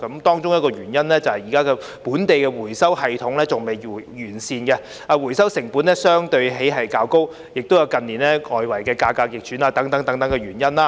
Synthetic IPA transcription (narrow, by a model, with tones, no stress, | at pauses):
kɐ˨˦˥mt̪ɔː˥ŋt͡ʃʊ˥ŋjɐ˥tkɔː˧jyː˨˩njɐ˥nlɛː˥t͡sɐ˨whɐ˨˩jiː˨kaː˥kɛ˧ | puː˨˥nt̪e˨jkɛː˧wuː˨˩jsɐ˥whɐ˨jt̪ʰʊ˨˥ŋlɛː˥t͡sʊ˨ŋme˨˩jjyː˨˩nsiː˧nkɛ˧ | aː˧wu˨˩jsɐ˥wsɪ˨˩ŋpuː˨˥nlɛ˥sœː˥ŋt̪ɵ˧ɥɦe˨˥jɦɐ˨jkaː˧wko˥w | jɪ˨k̚t̪o˥wjɐ˨˧wkɐ˨nliː˨˩nɛː˦˥ŋɔː˨jwɐ˨˩jkɛː˧kaː˧kaː˧k̚jɪ˨k̚t͡ʃʰyː˨˥naː˧t̪ɐ˨˥ŋt̪ɐ˨˥ŋt̪ɐ˨˥ŋt̪ɐ˨˥ŋkɛ˧ɥyː˨˩njɐ˥naː˦˥